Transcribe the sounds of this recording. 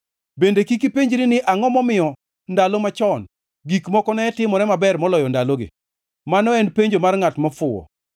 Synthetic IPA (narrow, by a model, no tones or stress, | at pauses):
bendekikipeɲd͡ʒɾɪnɪʔaŋɔmɔmɪjɔ | ndalomat͡ʃɔn | ɡikmɔkɔnɛɛtɪmɔɾɛmabɛrmɔlɔjɔndaloɡɪ̰ | manɔɛnpeɲd͡ʒomarŋatmɔfʊɔ̰